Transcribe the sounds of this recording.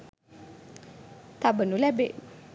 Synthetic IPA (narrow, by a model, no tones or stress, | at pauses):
t̪abənulɛbeʔ